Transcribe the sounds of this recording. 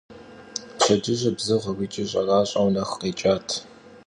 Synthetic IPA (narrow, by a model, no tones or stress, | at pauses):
ɬʰɐd͡ʒɪʑʼɪbzɨʁɐwʷit͡ʃʼɪɕʼɐrɑːɕʼɐwnɐxqeːt͡ʃʼaːtʰ